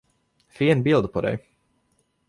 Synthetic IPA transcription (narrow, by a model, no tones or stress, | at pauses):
fiɛnbilˠd̪upɔɾɛ̰j